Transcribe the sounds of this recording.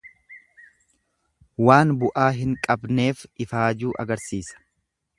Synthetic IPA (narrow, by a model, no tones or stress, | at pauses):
waːnbʊʔaːɦɪŋkʼɐbne̞ːfɪfaːd͡ʒuːʔɐ̰ɡɐɾsiːsɐ̥